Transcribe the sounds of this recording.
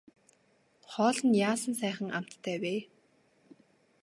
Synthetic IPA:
χɔːɮə̆njaːsə̆nsæːχə̆ŋa̰m̥t̪ːʰæːweː

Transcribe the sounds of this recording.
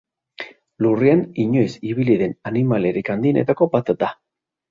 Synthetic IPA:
lurianiɲo̞jsiβiliðe̞nanimale̞ɾikand̪ienʔe̞̰t̪ako̞bat̪d̪a

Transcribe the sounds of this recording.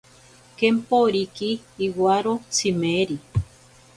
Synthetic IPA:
kempoɾikiːwaɾot͡simeɾi

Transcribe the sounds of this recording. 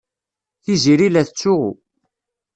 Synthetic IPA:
θiziɾilæθt͡sːʊʁṵ

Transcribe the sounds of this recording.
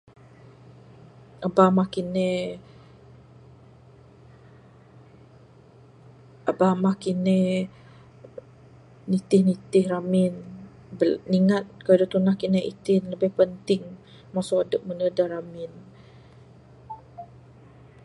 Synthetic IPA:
ʔabamahkine | ʔabamahkinɛ | nit̪ɪhnit̪ɪhramɪn | bəniŋat̪̚kaadot̪unahkinɛʔḭt̪ɪnləbɪhpənt̪ɪŋ | masoadəp̚mənədaɾamɪn

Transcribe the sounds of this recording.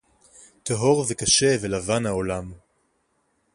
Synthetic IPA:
t̪eɦo̞ʁvekaʃe̞velavanhaolam

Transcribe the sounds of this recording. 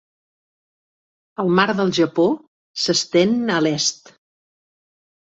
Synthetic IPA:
əlˠmaɾðəlˠʒəpo | səst̪enəlɛst̪

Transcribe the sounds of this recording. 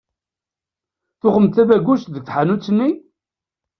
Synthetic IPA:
θʊχəmt̪ævæɡust̪ðəɡ̚θħanut͡sːənːi

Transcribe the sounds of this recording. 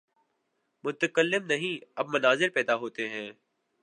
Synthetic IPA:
mʊt̪əkəlːɪmnɐɦĩɐbmɐnaːzɪɾpɛːd̪aɦoːt̪eɦɛ̃ː

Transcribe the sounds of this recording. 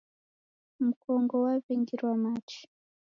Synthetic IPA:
m̩kɔŋɡɔwaviŋɡiɾwamat͡ʃi̥

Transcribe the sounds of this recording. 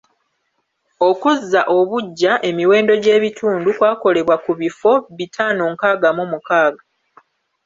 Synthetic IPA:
okuzːaʔo̞βuɟːaʔe̞miwe̞ːndo̞ɟe̞ːβitʰuːndukwaːko̞le̞βwakuβifo̞βitʰanoŋkaːɡamomukaːɡa

